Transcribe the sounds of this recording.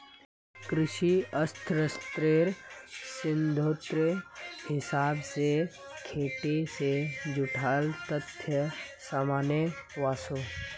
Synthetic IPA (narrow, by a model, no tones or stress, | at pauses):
kɾɪʃiɐst̪ʰɾəst̪ɾeːɾsɪnd̪ʱoːt̪ɾəhɪsaːbse | kʰeːʈesed͡ʒʊʈʰaːlt̪ət̪ʰjəsaːmaːnjəʋaːsoː